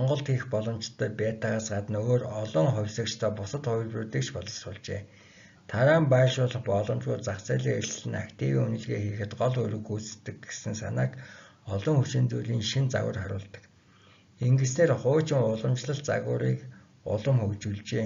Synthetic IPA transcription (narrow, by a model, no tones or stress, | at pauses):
ɔɴɢɞ̆ɮt̪xixpɔɮɞ̆mt͡ɕt̪ːœːpæːt̪aʁaːsɢat̪ə̆nɵɣoːrɔɮɞ̆ŋχɔwʲsə̆kt͡ɕʰt̪ʰœːpʊsə̆t̪χʊj̆ɮprŭrɮiːkʃpɔɮɞ̆ɮsʊːɮt͡ɕeː | t̪ʰaɾaːmpaːʃʊːɮə̆χpɔɮɞ̆mt͡ɕʊːt̪t͡sakt͡sæːɮiːŋeɮɮɘ̆nakt̪ʰiwiːŋunɵ̆ɮɣeːxeːxɘ̆t̪ɢɔɮɵɾɵ̆ɣuːt͡st̪ːɘ̆ɡe̥sɘ̆nsanaːk | ɔɮɞ̆ŋxut͡ɕeːnt͡suːɮiːŋʃint͡sa̰ɣə̰̆rχaɾʊ̰ːɮt̪ə̥̆k | eŋɡĕs̬neːrχʊːt͡ɕɪ̆ŋʊɮə̆mt͡ɕɮə̆ɬt̪t͡sa̰ɣʊ̰ːɾiːk | ʊ̰ɮɞ̆mxɵkt͡ɕuɮt͡ɕeː